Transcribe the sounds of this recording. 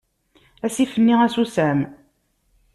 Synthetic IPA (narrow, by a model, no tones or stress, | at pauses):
æsifənːiæsusæm